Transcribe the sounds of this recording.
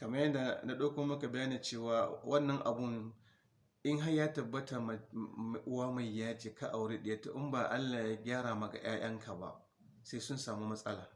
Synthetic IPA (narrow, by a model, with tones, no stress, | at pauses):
kɐ˨mɐ˦jɐ˦nda˨na˨ɗoː˦kʷoː˦mɐ˦ka˨bɐ˦jaː˦niː˨t͡ʃeː˦˨waː˨wʔɐ˦nːɐ˦ŋʔa̰˨bʊ˦n | ʔɪ˦ŋɦa˦jaː˦tɐ˨bːɐ˦ta˨m˨ʔʊ˦waː˦ma˨jjaː˦t͡ʃiː˨ka˦ʔa˨wɽeː˦ɗɪ˨ja˦to˨ʔɪ˦mbaː˨ʔa˦lːaː˨ja˦ɡʲaː˦ɾaː˨ma˨ɡa̰˨j̰aː˦j̰ɐ˦ŋkʰa˨ba̰˦ | sa˦jsʊ˦nsaː˨muː˦mɐ˦sʼɐ˦laː˨